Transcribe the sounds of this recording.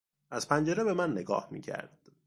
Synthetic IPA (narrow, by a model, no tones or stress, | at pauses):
ʔæz̥pʰænd͡ʒe̞ɾebe̞mænːe̞ɡɒ̰ːhmḭːcʰæ̰ɾd̪̥